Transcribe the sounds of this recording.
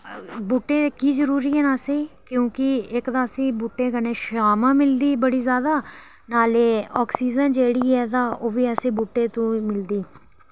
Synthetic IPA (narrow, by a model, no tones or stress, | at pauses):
buːʈːẽːkiːzəɾuːɾiːɦɛ̃ːnaːsiːkjõːkɪɪkd̪ãːsĩːbuːʈːẽːkənẽːʃaːmãːmɪld̪iːbəɽiːzjaːd̪aː | naːleːɔːksiːd͡ʒənd͡ʒeːɽiːɛːt̪ãːʔoːʋiːəsĩːbuːʈːeːt̪ũːmɪld̪iː